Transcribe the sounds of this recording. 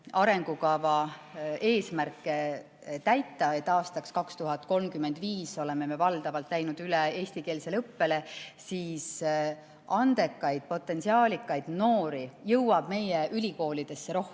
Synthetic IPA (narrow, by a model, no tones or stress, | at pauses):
ɑɾe̞ŋɡ̥ukɑvɑ | e̞ːsmærkːˑe | t̪æjt̪ːˑɑe̞t̪ːˑɑːst̪ɑkskɑkst̪uɦɑt̪ˑko̞lmkymːend̪viːso̞le̞me̞me̞vɑld̪̥ɑvɑlt̪ˑlæjnud̪̥ylee̞ːsʲt̪ike̞ːlse̞lɤpːe̞le̞siːs | ʔɑnd̪e̞kːˑɑjd̪̥̚po̞t̪ːˑe̞nsiɑːlʲikːˑɑjd̪̥no̞ːɾijɤwwɑb̥me̞jeʔylʲiko̞ːlid̪̥e̞sːe̞ɾo̞hk